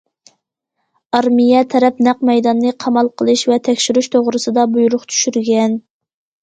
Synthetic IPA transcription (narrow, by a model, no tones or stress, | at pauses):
ɑɾmijɛt̪ʰɛɾɛpnæqmɛjd̪ɑnːɨqʰɑmɑlˠqʰəlˠɨʃvɛt̪ʰɛkʲʃyɾyʃt̪ʰoʁɾɨsɨd̪ɑbujuɾʊqt̪ʰy̥ʃyɾɡʲɛn